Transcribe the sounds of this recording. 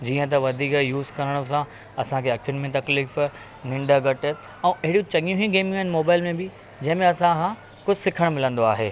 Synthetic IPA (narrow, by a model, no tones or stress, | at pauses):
d͡ʑiːə̃t̪̬ɐʋɐd̪ʱiːkjuːzkɐɾəɽ̃ʊsã | ɐsãkʰeɐkʰijʊnɪ̆mẽt̪ɐkliːf | nɪ̃ɳɖəɡɐʈɪ | ɛ̃ːʔɐɦɪɽjũt͡ɕɐŋjũɦĩɡeːmjuɦɪnɪ̆moːbaːɪlmẽbɪ | d͡ʑɐ̃ɦɪ̃mẽɐsãkã | kʊd͡ʑʱɪsɪkʰəɽ̃mɪlə̃nd̪oaːɦḛː